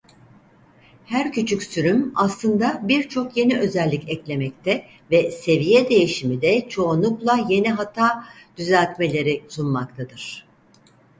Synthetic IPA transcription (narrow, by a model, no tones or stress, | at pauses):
hæɾcʰyt͡ʃʰycʲsyɾymaslˠɯnd̪abiɾt͡ʃʰo̞kje̞niʔø̞zɛlʲːicɛclʲe̞mɛct̪ʰɛ | vɛse̞vijɛd̪e̞jiʃimid̪ɛt͡ʃʰo̞ːnˠuklˠaje̞niɦat̪ʰaːd̪̥yzaːcme̞lʲe̞ɾisunmak̚t̪ʰad̪ɯɾ̥